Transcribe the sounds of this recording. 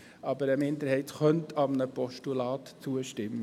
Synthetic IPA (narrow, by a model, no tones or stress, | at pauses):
ɑbəɾəmɪnd̪əɾhɛɪtχœntʰɑmənəpɔʃtulɑːt̪t͡suəʃtɪmːə